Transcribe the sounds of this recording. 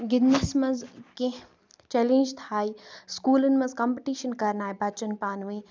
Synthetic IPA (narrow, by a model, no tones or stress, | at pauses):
ɡɪd̪nɐsmɐ̃nzkẽ | t͡ɕɛːlẽːɲd͡ʒt̪ʰaːiskuːlənmɐ̃nzkɐ̃ːmpiʈiːʃənkɐɾnaːɦibɐt͡ʃənpaːnʋĩ